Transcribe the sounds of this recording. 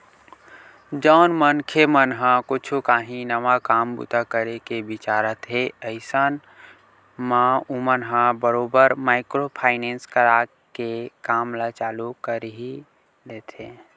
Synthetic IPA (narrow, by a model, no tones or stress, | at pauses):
d͡ʒəːnmənkʰemənɦãkʊt͡ʃʰukaːɦĩnɐʋakaːmbṵt̪akəɾekebɪt͡ʃaːɾət̪ɦeəɪsaːn | mãumənɦãbəɾoːbəɾmaːɪkɾopʰaːɪnẽːnskəɾa | kekaːmlat͡ʃaːlukəɾɦi | leːt̪ẽː